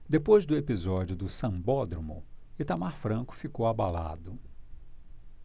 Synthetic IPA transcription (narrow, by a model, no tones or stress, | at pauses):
d̪epojzd̪ʊepizɔd͡ʒiʊd̪ʊsɐ̃bɔd̪ɾomʊ̰ɪt̪amaɾfɾɐ̃kʊ̥fikowabala̰d̪ʊ